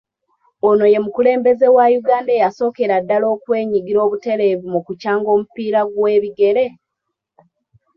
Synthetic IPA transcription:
ono̞je̞mukule̞ːmbe̞ze̞wajuɡaːndejaso̞ːke̞ɾadːalo̞ːkwe̞ːɲiɡiɾo̞ːβute̞ɾeːvimukucaːŋɡo̞ːmupiːɾaɡwe̞ːβiɡe̞ɾe̞

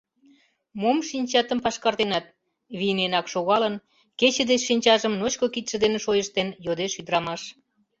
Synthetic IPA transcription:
momʃinʲt͡ɕɑt̪əmpɑʃkɑrt̪enɑt̪̚ | βijnenɑkʃoɣɑlən | ket͡ɕə̆d̪et͡ɕʃinʲt͡ɕɑʒəmnot͡ɕkokit̪ʃə̆d̪eneʃojəʃt̪enjod̪eʃyd̪əɾɑmɑʃ

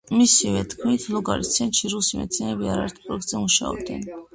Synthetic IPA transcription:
misivɛt̪ʰkʰmit̪ʰlˠɔɡaɾist̪sʰɛnt̪ʃiɾusimɛ̰t̪sʰinɛnɛbiaɾaɛɾt̪ʰi̥pʰʼɾɔɛk̚t̪ʼzɛmuʃa̰ɔ̰b̚d̪ɛn

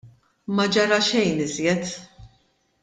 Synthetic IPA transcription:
mɐd͡ʒɐɾɐʃɛjnɪzjɛt̪

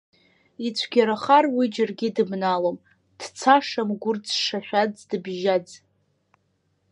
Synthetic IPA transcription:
it͡ɕʷʰɡʲaɾaχarwid͡ʒarɡʲɪdɨbnalom | d̥t͡sʰaʂamɡʷʊrd͡zʂaħʷᶣad͡zdɨbʒad͡z

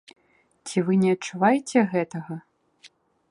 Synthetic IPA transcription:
t͡sʲivɨnʲɛɐt̚t͡ʂːuvajɛt͡sʲɛɣɛt̪ɐɣɐ

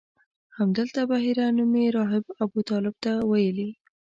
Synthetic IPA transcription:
hamd̪əlt̪abaɦiɾanumeɾɑɦɪbabut̪ɑlɪb̚t̪awajəli

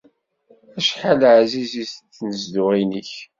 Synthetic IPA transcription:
æʃħalʕzizist͡sːnəzd̪ʊʁinəç

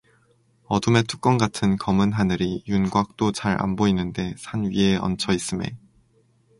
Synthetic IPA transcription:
ʌdume̞tʰu̥k͈wʌnɡatʰɯnkʌmɯnɦanɯɾijunɡwak̚t͈ot͡ɕaɾa̰nboinːɯnde̞sʰanɥie̞ʌ̰nt͡ɕʰʌis͈ɯmḛ

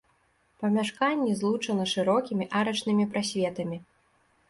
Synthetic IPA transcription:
pɐmʲaʂkanʲːɛzlˠut͡ʂɐnɐʂɨɾɔkʲimʲiʔaɾɐt͡ʂnɨmʲipɾasʲvʲɛt̪ɐmʲi

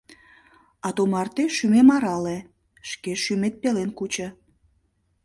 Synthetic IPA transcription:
ɑt̪umɑrt̪eʃymemɑɾɑle | ʃkeʃymet̪̚pelenkut͡ɕə̆

